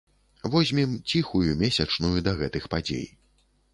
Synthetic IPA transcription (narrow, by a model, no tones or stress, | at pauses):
vɔzʲmʲimt͡sʲixujumʲesʲɐt͡ʂnujud̪ɐɣɛt̪ɨxpad͡zʲḛj